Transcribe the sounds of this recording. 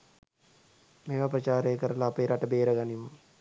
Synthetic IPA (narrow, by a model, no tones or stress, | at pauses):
meːʋaprɐt͡ʃaːɾeːkəɾɐlaːpeɾaʈəbeːɾəɡaniʋɐ